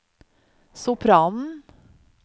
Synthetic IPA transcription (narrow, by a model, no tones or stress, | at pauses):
sʊpʰɾɑːnn̩